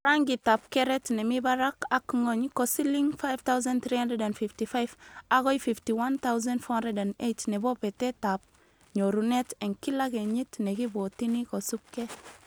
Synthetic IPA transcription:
ɾaŋɡitap̚keɾetnemibaɾakakŋoɲkosiliŋfajft̪awzant̪ɾihandedanfiftifajvaɡojfiftiwant̪awuzãnfhandedanejtnebopetetap̚ | ɲoɾuneteŋkilakeɲitnekibotinikosup̚ke

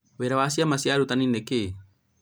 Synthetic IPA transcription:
weɾawas̬iamasiaɾut̪anineke

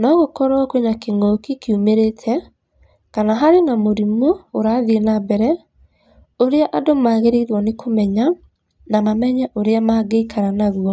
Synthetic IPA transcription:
nɔɣokɔɾaɔkweɲakeŋɔkikiumeɾetʰɛ | kanaɦaɾenamoɾimoːɾaːðienabɛɾɛ | oɾeaʔadomaɣeɾeiɾwɔnekʰomɛɲa | namamɛɲɛʔoɾeamaːɡeikʰaɾanaɣuɔ

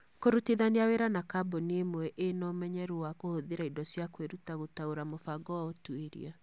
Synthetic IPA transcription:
koɾutiðaneaweɾanakaboniemwɛʔenɔmɛɲɛɾuwakohoðeɾaidɔsjakweɾutaɣotaoɾamofaɡɔwaotueɾḭa

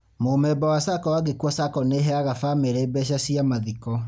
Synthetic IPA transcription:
momɛbawasakɔwaɣekwɔsakɔneɦɛaɣafameɾeːbɛɕ̬asiamaðikɔ

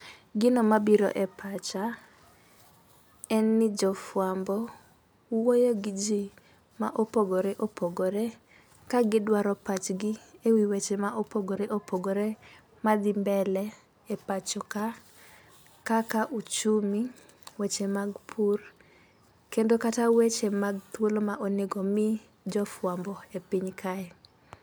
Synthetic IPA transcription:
ɡɪnɔmabiɾɔ̰ʔɛpat͡ʃa | ɛnːɪd͡ʒɔfwambɔ | wojoɡɪd͡ʒi | maʔopoɡoɾeʔopoɡoɾe | kaɡɪdwaɾɔpat͡ʃɡɪewiwet͡ʃemaʔopoɡoɾeʔopoɡoɾe | mad̪ɪmbɛlɛ | epat͡ʃɔka | kakaʔut͡ʃumi | wet͡ʃemaɡpʰur | kendokatawet͡ʃemaɡ̚t̪wolomaʔoneɡɔmɪ | d͡ʒɔfwambɔepiɲkʰaɛ

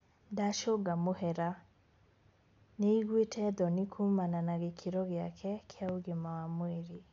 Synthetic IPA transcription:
daʃoɡamohɛɾa | neiɣwetʰɛd̪ɔnikʰumananaɣekʰiɾɔɣeakʰɛkʰeauɡemawamweɾi

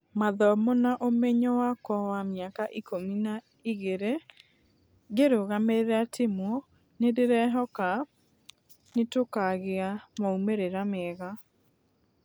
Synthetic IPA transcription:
maðɔmonaʔomeɲɔwakɔwamjakaʔikʰomina | iɣeɾe | ɣeɾoɣameɾɾatʰemwɔ | nedeɾɛɦɔka | netokaɣeamaumeɾeɾamɛːɣa

